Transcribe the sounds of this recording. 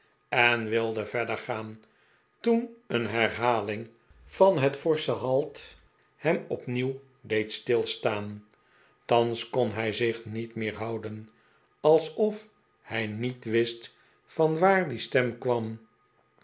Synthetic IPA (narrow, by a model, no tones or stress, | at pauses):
ɛnʋɪlˠdəvɛɹdəɹχaːn | tunənɦɛɹɦaːlɪŋ | fɑnɦətfɔɹsəɦɑlˠt | hɛmɔpniw | dejtstɪlˠstaːn | tɑnskɔnɦɛjzɪχnitmɪːɹɦɑwdən | ɑlˠsɔf | hɛjnitʋɪst | fɑnʋaːɹdistɛmkʋɑm